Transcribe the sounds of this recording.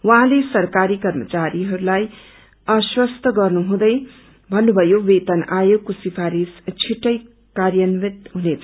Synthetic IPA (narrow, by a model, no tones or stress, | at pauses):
wʌɦãlesʌrkaɾikʌrmʌt͡saɾiɦʌɾulaj | ʌswʌst̪ʰʌɡʌrnuɦũd̪ʌj | bʱʌnːubʱʌjowet̪ʌnajokosipʰaɾist͡sʰiʈːʌj | karjʌnmit̪ɦunet͡sʰʌ